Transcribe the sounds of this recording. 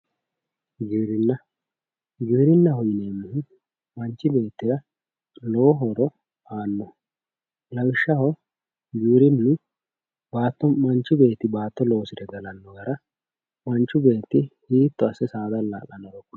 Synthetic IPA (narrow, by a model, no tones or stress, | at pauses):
ɡiːɾɪnːɐ | ɡiːɾɪnːɐɦɔjɪneːmːɪhɪ | mɐnt͡ʃːɪbe̞ːt̪ːɪɾɐ | loːɦɔd̪ɔ | aːnːɔ | lɐwɪʃːɐhɔ | ɡiːɾɪmnɪ | baːt̪ːɔmɐnt͡ʃːʊbe̞ːt̪ːɪbaːt̪ːɔlo̞ːsɪd̪ɛɡɐlɐnːɔɡɐɾɐ | mɐnt͡ʃːʊbe̞ːt̪ːɪhiːt̪ːɔɐsɛsaːd̪ɐlːa̰ːkʼɐnːɔɾɔkː